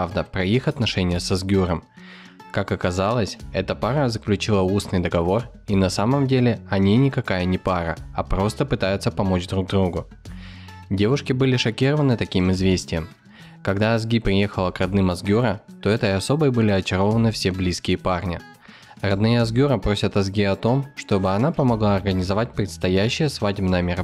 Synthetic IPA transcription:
avd̪əpɾɐixɐt̪nɐʂɛnʲɪjəsɐzɡʲuɾəm | kakɐkɐzalˠəsʲɛt̪əparnʲəzəklʲʉt͡ɕilˠəusnɨjd̪əɡɐvo̞r | inɐsaməmdʲelʲɪɐnʲinʲɪkɐkajənʲɪpaɾə̰ɐpɾo̞st̪əpɨt̪ajʊt̪səpɐmo̞t͡ɕd̪ɾuɡ̚d̪ɾuɡʊ | dʲe̞vʊʂkʲɪbɨlʲɪʂɐkʲiɾəvənɨt̪ɐkʲimɨzvʲesʲtʲɪjəm | kɐɡd̪aɐzɡʲipɾʲɪje̞xəlˠəkrɐd̪nɨmɐzɡʲuɾət̪o̞ɛt̪əɪɐso̞bəjbɨlʲɪɐt͡ɕɪɾo̞vənɨfsʲeblʲiskʲɪjəparnʲɪ | rɐd̪nɨjəɐzɡʲuɾəpɾo̞sʲət̪ɐzɡʲiɐt̪o̞mʂt̪o̞bɨɐnapəmɐɡlˠaɐrɡənʲɪzɐvat̚ʲpɾʲɪt̪st̪ɐjæɕːɪjəsvadʲbnəjəmʲɪɾɐ

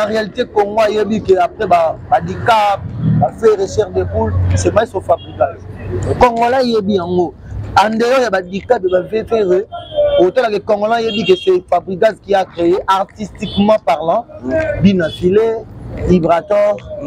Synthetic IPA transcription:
aʁealitekoŋɡoajebikeapʁɛbabadikap̚baveʁeʃɛʁdepulsɛmaisofabʁikadkɔŋɡolajebijaŋɡo | andelɔjabadikapebavepeʁeotolakekɔŋɡolãjebikesɛfabʁikadkiakʁejeʔaʁtistikmɑ̃paʁlɑ̃binafilelibʁatɔʁ

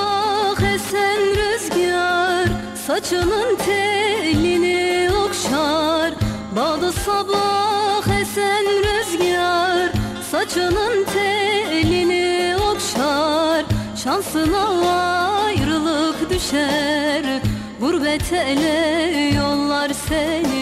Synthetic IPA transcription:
χɛsɛnɾøzɡʲijɑɾ | sɑt͡ʃʰɯnɯnt̪ʰɛlinɪokʃɑɾ | bɑd̪ɯsɑbɑχɛsænɾøzɡʲɑɾ | sɑt͡ʃʰɯnɯnt̪ʰɛliniokʃɑɾʃɑnsɯnɑwɑjɾɯlˠɯkd̪yʃæɾ | buɾbɛt̪ʰɛlɛjolˠːɑɾsɛli

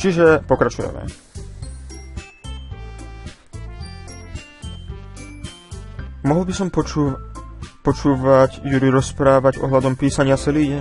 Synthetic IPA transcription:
t͡ʃiʒɛpɔkɾat͡ʃujɛ̰mɛ̰ | mɔɦl̩bisɔm | pɔt͡ʃuːʋaɟjuɾiɾɔspɾaːʋaɟɔ̰ɦlad̪ɔmpiːsaɲɪat͡sɛliːɟɛ

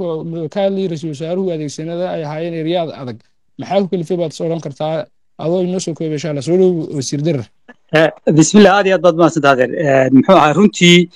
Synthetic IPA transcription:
ɔmɔkʰaːliːrɛs̬s̬aːɾʊhʊɐðeːɡsɐnɐðɐɛjɐɦaːjɛːnɛɾjaːðɐ̰ðɐɡ̚ | mɐħaːkʰʊkʰɐlɪfɛjβaːd̪sɔːɽɐŋkʰɐrt̪ʰaː | ʔɐðɔːɪnɔːsɔːkʰɔːβɛʃaːlɐs̬ɔːɽɔwsiːrd̪ɐr | ɛːbɪsmɪlaːhaːd̪ijaːd̪baːd̪ʊmad̪sɐnt̪ʰaːðɛɾɛnmħuːɐhaːjrʊnt̪ʰiː

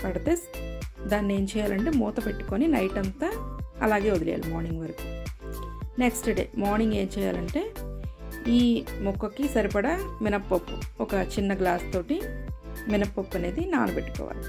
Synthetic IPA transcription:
pɐɽɐt̪esd̪aːnːie̞ːɲt͡ʃɛːjaːlɐɳʈe̞ːmuːt̪ɐpeʈːu̥ko̞ninɐjʈɐnt̪ɐɐlaːɡe̞ːod̪ilɛ̰ja̰ːlumaːɾniŋɡʋɐɾiku̥ | neksʈɖe̞̰ːmaːɾniŋɡe̞ːɲt͡ʃɛːja̰ːlɐɳʈe̞ː | iːmukːɐkːisɐɾipɐɽɐminɐpːɐpːuɔkɐt͡ʃinːɐɡlaːst̪o̞ːʈiminɐpːɐpːɐne̞ːd̪ina̰ːnupeʈːu̥kɔ̰ːʋa̰ːli

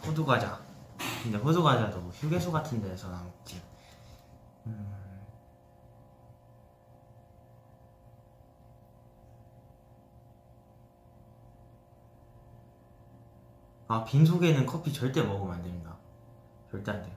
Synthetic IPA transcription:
ɸʰoduɡad͡ʑakɯnde̞ɸoduɡad͡ʑadoçjuɡe̞sʰoɡatʰɯnde̞sʰʌnamkt͡ɕ͈i | ɯ | ak̚pins̬ʰoɡe̞nɯnkʰʌpʰit͡ɕʌɭt͈e̞mʌɡumandɯinɡa | t͡ɕʌɭt͈ante

